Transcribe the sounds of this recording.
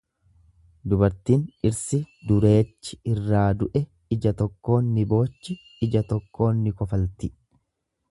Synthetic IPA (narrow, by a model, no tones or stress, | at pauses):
d̪ʊbɐɾt̪iːnɪɾsɪd̪ʊɾe̞ːt͡ʃːɪɪrːaːd̪ʊʔɛ | ɪd͡ʒɐt̪ɔkːo̞ːnːɪbo̞ːt͡ʃːɪ | ɪd͡ʒɐt̪ɔkːo̞ːnːɪkɔfɐlt̪ɪ